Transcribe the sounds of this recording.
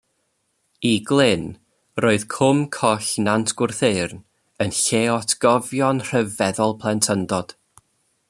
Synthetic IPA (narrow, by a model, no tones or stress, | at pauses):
iɡlˠɪn | roːɨð̥kʰʊmkʰɔɬnantʰɡ̥wʊrθeɨrn | ənɬeːɔtʰɡ̥ɔvjɔnr̥əvɛðɔlˠpʰlˠɛntʰəndɔd̥